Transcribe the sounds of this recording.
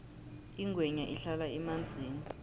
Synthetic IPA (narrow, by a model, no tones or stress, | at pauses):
iŋɡʱwɛɲaʔiɬalaɛmand͡zʱiːni